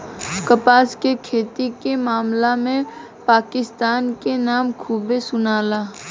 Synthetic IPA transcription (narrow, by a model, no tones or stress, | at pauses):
kəpaːskekʰeːt̪ikemaːmlamẽ | paːkɪst̪aːnkenaːmkʰuːbesʊnaːlaː